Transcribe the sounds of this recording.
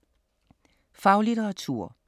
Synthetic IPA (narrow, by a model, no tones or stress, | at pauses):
fɑ̈ʊliɾəʁɑt͡sʰṵɐ̰